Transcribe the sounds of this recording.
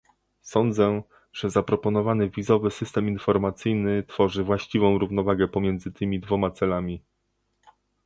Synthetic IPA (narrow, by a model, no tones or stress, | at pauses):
sɔnd̪zɛ | ʐ̥ɛzapɾɔpɔnɔvanɘvʲizɔvɘsɘst̪ɛminfɔɾmat̪sɘjnɘt̪fɔʐɘvwaɕt͡ɕivɔ̃w̃ɾuvnɔvaɡɛpɔmʲjɛnd̪zɘt̪ʰɘmʲid̪vɔmat̪sɛlamʲi